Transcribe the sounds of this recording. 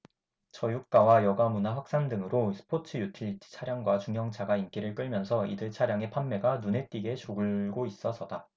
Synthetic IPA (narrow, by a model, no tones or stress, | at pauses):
t͡ɕʌjuk̚k͈awajʌɡamunaɸwak̚s͈andɯŋɯɾosʰɯ̥pʰotʰɯjutʰi̥t͡ɕʰaɾjaŋɡwat͡ɕuŋjʌŋt͡ɕʰaɡaink͈iɾɯɭk͈ɯɭmjʌnsʰʌḭdɯɭt͡ɕʰaɾjaŋe̞pʰamːe̞ɡanune̞t͈iɡe̞t͡ɕoɡɯɭɡois͈ʌsʰʌda